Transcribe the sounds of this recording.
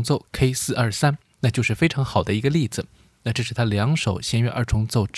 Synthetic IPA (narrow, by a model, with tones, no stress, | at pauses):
ŋt͡so˥˩ʊkʰe˥ɪsɹ̩˥˧ʔɐ˞˥˩sa˥n | na˥˧˩t͡ɕjo˥˧ʊʂɻ̩˥˩fe˥ɪʈ͡ʂʰɑ˧˥ŋxɑ˨˩ʊd̪ə˦i˧˥ɡə˧li˥˩d͡zɹ̩˩ | na˥˧ʈ͡ʂɤ˥˧ʂɻ̩˥˩t̪ʰa˥ljɑ˧˥ŋʂo˨˩ʊɕjɛ˥nɥɛ̰˥ʔə̰˞˥˩ʈ͡ʂʰʊ˧˥ŋt͡so˥˧ʊʈ͡ʂ